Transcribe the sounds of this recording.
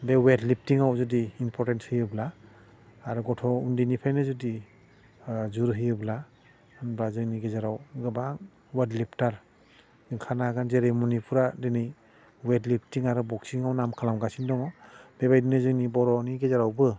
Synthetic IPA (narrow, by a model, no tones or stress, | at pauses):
bewedlip̚tiŋawzudiːnpʰɔɾtenshɯjɯblaː | ɾuɡɔtʰɔundinipʰajnɯzudi | zuɾɦɯjɯbla | ɯnbazɯŋniɡezaɾawɡɯbaŋ | wadlip̚ʰtaɾ | ɡɯŋkʰanaɡanzeɾemunipʰuɾadenɯj | wedlip̚ʰtiŋaɾɯbɔksiŋawnamkʰalamɡasindɔŋɔbebajdinɯzɯŋnibɔɾɔniɡezaɾawbɯ